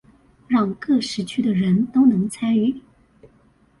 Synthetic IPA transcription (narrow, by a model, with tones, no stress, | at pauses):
ɻɑ˥˧ŋkɤ˥˩ʂɻ̩˧˥t͡ɕʰy˥d̪ə˨ɻə˧˥nt̪o˥ʊnɤ˧˥ŋt͡sʰa˥ny˥˩